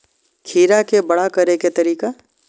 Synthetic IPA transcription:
kʰiːɾakebɐɽakɐɾeket̪ɐɾiːka

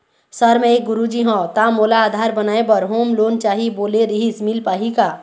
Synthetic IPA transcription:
səɾmɛekɡʊɾud͡ʒiɦɔ̃t̪amolaːd̪ʱaɾbənaːebəɾɦoːmloːnt͡ʃaɦiboːleɾiɦismilpaːɦika

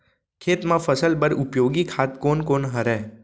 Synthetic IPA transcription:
kʰeːt̪mãfəsəlbəɾʊpjoɡikʰat̪konkonɦəɾɛ

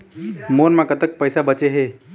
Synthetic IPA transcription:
moɾmãkət̪ək̚pəjsabət͡ʃeɦe

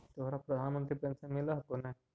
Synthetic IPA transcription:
t̪oɦɾapɾɐd̪ʱaːnmə̃nt̪ɾipẽːnsẽmɪlaɦkonẽ

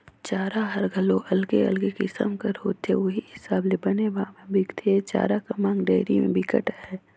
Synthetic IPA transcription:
t͡ʃaːɾaɦɐɾɡʱɐloʔɐlɡeɐ̰lɡekɪsə̰mkəɾɦoːt̪ḛʋoɦiɦɪsaːblebɐneʋɐɦãmẽbʱɪkt̪ʰet͡ʃa̰ːɾakɐmãːŋɡɖeːɪɾimḛ̃bʱɪkə̰ʈːɦɛː

